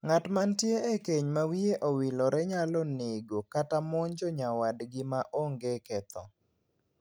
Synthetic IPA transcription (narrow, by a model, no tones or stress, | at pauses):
ŋatmantjeekeɲmawieʔowilɔɾɛɲalɔnɪɡokatamɔɲd͡ʒɔɲawadɡɪmaʔoŋɡekɛt̪ʰɔ̰